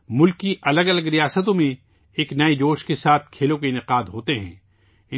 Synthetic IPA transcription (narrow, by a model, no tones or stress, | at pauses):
mʊlkːiʔɐləɡɐləɡɾijaːsət̪õmẽ | eːknɐed͡ʒoːʃkesaːt̪ʰkʰeːlõkeɪnɪqaːd̪ɦoːt̪eɦɛ̰̃ː | ɪ